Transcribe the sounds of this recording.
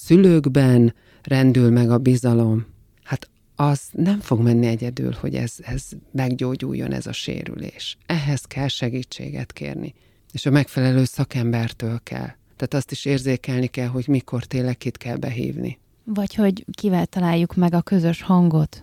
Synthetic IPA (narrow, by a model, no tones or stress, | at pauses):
syløːɡbɛn | rɛnd̪ylmɛɡɒbizɒlo̞m | hat̪ | ɒz̥nɛɱfo̞ɡmɛnːiɛɟɛd̪y̰ːlho̞̰ɟɛ̰zɛzmɛɡɟoːɟṵːjːo̞̰nɛ̰zɒ̰ʃḛːɾy̰lḛːʃɛɦɛzkʰɛlʃɛɡiːt͡ʃːḛːɡɛ̰t̪kḛːrnḭ | eːʃɒmɛkfɛlɛløːsɒkɛmbɛrt̪øːlkʰɛ̰lː | t̪aːt̪ɒst̪iʃeːrzeːkɛlnikɛlɦo̞ɟmiko̞rt̪eːlːɛkːit̪kɛlbɛɦḭːvnḭ | vɒcho̞ɟkivɛlt̪ɒlaːjːukmɛɡɒkø̞zø̞ʃhɒŋɡo̞t̪